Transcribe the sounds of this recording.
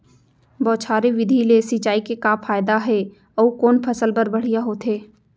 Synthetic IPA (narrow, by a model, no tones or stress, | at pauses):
bɔːt͡ʃʰaːɾeʋɪd̪ʱilesit͡ʃaːikekaːpʰaːjd̪aɦɛ | ɔːkoːnpʰɐsəlbəɾbɐɽ̤ijaɦoːt̪ʰɦeː